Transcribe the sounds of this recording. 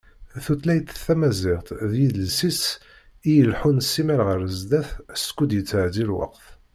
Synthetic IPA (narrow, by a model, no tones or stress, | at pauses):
θut̪læjt̪θːæmæzɪʁt̪ðjiðəlsis | ijəlħunsːimæɾʁəɾəzd̪æθskːud̪jət͡sːʕzilwɑ̰qθ